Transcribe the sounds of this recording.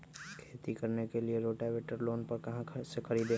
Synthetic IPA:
kʰeːt̪ikɐɾnekelieɾoːʈaʋeːʈəɾloːnpɐɾkɐɦãsekʰɐɾiːd̪ẽː

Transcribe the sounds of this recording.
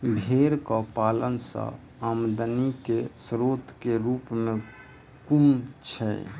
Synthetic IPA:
bʱeɾkɔpalənsə̰̃ | amd̪ənikesɾot̪keɾupmẽ | kumt͡ʃʰɛ̰

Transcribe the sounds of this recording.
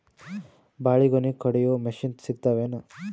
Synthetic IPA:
baːɭiɡonikɐɽejoːmeʃinsiɡt̪aʋenɐ

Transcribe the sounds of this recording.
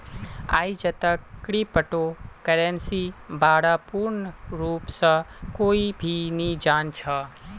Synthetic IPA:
aːid͡ʒət̪əkːɽipəʈokəɾensibaːɽapuːɾnɾuːpsə̃koːibʱinĩd͡ʒaːnt͡ʃʰa

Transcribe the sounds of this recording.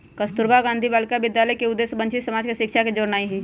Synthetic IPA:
kəst̪ʊɾbaɡãːnd̪ʱibaːlkabɪd̪jaːləjkeʊd̪ːeːsbə̃nt͡ʃɪt̪səmaːd͡ʒkeʃɪkʃaked͡ʒoːɾnaːiɦiː

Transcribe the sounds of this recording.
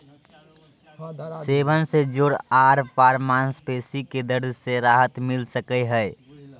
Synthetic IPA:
seːbənsed͡ʒoːɽaːɾpaːɾmaːnspeːsiked̪əɾd̪ʱseɾaːɦət̪mɪlsəkəɦɛ

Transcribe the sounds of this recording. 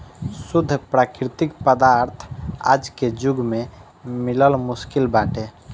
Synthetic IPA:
sud̪ʱːpɾakɾit̪ikpəd̪aɾt̪ʰa̰d͡ʒked͡ʒuɡme | miləlmuskilbaʈe

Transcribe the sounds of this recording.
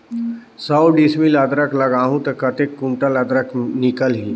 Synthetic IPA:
səwɖismiləd̪ɾəklɐɡaːɦũt̪ɐkɐt̪ekːũɳʈəlɐd̪ɾəknɪkəlɦiː

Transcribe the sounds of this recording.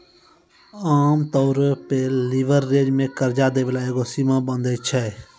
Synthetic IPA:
aːmt̪ɔːɾpeːliːʋəɾːeːd͡ʒmẽːkəɾd͡ʒaːd̪eːʋɪlaːeːɡoːsiːmãːbənd̪eːt͡ʃʰɛ

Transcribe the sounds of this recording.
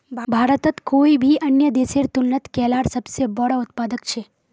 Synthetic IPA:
bʱaːɾət̪ət̪koːibʱiʔɐnjəd̪eːseːɾt̪ʊnːət̪kɛːlaːɾsɐbsebɐɽaʊt̪paːd̪əkt͡ʃʰeː

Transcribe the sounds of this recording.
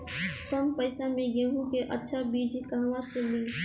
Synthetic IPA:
kɐmpəɪsamẽɡẽɦũkeʔɐtːʃʰabiːd͡ʒkaːʋãseliː

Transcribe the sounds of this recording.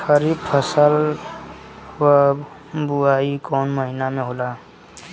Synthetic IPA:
kʰəɾipʰəsəl | wə | buaikɔːnməɦinamẽɦola

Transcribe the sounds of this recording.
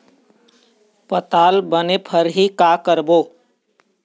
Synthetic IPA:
pət̪aːlbənepʰəɾɦikaːkəɾboː

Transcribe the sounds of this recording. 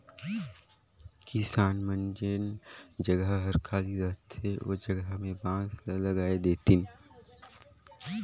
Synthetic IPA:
kɪsaːnmə̃nd͡ʒend͡ʒɐɡəɦɦəɾkʰaːliɾɐɦt̪ʰeo̰d͡ʒɐɡəɦmẽbãːslɐɡaːed̪eːt̪in

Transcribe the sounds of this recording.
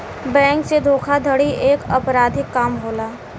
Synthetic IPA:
bɛ̃ːŋksed̪ʱoːkʰad̪ʱəɽiʔeːkɐpɾaːd̪ʱɪkːaːmɦoːlaː

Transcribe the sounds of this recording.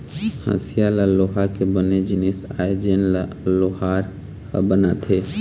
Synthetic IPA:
hə̰̃sijalaloɦakebəned͡ʒinisajd͡ʒenla | loɦaɾ | bənat̪ɦe

